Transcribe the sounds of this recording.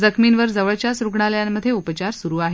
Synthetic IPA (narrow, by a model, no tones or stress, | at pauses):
d͡zəkʰminʋəɾd͡zəʋəɭt͡ɕjasɾuɡɳaləjamːəd̪ʱjeupət͡ɕaɾsuɾuːaɦe